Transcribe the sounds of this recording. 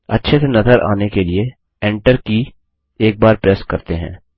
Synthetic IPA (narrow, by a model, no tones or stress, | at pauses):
ɐ̰tːʃʰɪt̪nɐzəɾʔa̰ːnekelie | ɛ̃ːɳʈəɾki | eːk̚baːɾpɾɛːskɐɾt̪eɦɛ̰̃ː